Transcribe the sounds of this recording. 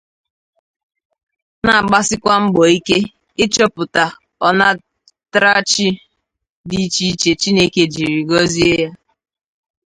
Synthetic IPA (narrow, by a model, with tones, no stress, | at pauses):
na˨a˨ɡ͡ba˦sɪ˦kʷa˦m̩˦ɡ͡bɔ˨i˦ke˦ | ɪ˦t͡ʃɔ˦pʊ˨ta˨ | ɔ˨na˦ | tɾa˦t͡ʃi˦ | di˦t͡ʃi˦t͡ʃe˨t͡ʃi˦ne˦ke˨d͡ʒi˨ɾi˨ɡɔ˦zi˦e˦ja˦